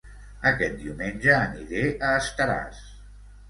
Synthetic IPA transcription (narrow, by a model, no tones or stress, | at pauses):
əkɛt̪̚d̪iwmenʲʒəːniɾeʔəːst̪əɾa̰s